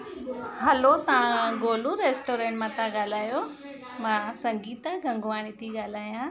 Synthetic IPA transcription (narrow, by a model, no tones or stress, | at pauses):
ɦɐlot̪ɐʋãɡoːluɾeːsʈoːɾẽːɳʈmãt̪ãɠaːl̤aːjo | mãːsɐ̃ŋɡiːt̪əɡʱɐ̃ŋɡʋaːɽ̃it̪ʰiɠaːl̤aːjãː